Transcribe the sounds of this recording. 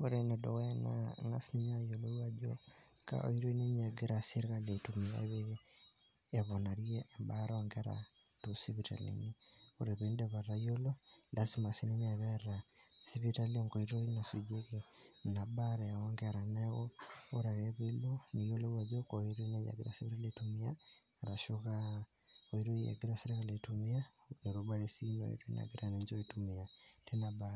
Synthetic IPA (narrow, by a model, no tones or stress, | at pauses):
oɾenedo̰ɣena̰ŋa̰siniɲajolowad͡ʒo̰ | ka̰o̰iɾoineɲaɡeɾasiɾkaletumia̰βe | βonaɾjeʔːmbaɾoŋɡeɾa̰ | tosiβita̰lḛɲio̰ɾeβendeβaɾajololʔasimasiniɲaβeɾa | siβitalioŋɡoiɾoinasud͡ʒeke | nabaɾɛawaŋɡeɾaneɣooɾaɣeβeilonijolowaðokoiɾunaja̰ɡiɾa̰siβiɾaletumiaː | ɾaʃoɣa | oiɾoja̰ɡiɾasiɾeɣaletumia | noɾobaɾesino̰ḭɾoina̰ɡiɾaneɲd͡ʒoitumiatenabaɾ